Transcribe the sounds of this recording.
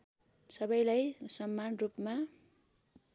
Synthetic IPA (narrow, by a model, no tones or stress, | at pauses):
sʌbʌjlajsʌmːanrupma